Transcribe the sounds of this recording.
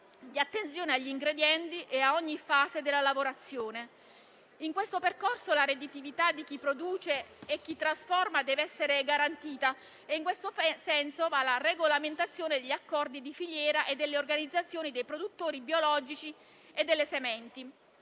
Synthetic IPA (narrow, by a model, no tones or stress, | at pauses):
d̪iat̪ːent̪sjoːneaʎːiŋɡɾed̪jɛnt̪iʔeaɔɲːifaːzed̪elːalavoɾat̪sːjoːne | iŋkwest̪operkorsolaɾed̪it̪ivit̪ad̪ik̟ipːɾod̪uːt͡ʃeːk̟ːit̪ːɾasfɔrmad̪ɛːveɛsːeɾeɡaɾant̪iːt̪a | eiŋkwest̪osɛnsovalareɡolament̪at̪sːjoːned̪eʎːakːɔrd̪id̪ifiʎːɛːɾaʔed̪ːelːeorɡanid̪zːat̪sːjoːnid̪ejpɾod̪ut̪ːoːɾibiolɔd͡ʒit͡ʃi | ed̪ːelːesemɛnt̪i